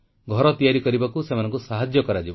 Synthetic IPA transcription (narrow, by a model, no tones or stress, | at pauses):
ɡʱɔɾɔt̪ijaɾikɔɾibakusemanɔ̃ŋkusaɦad͡ʒjɔkɔɾad͡ʒibɔ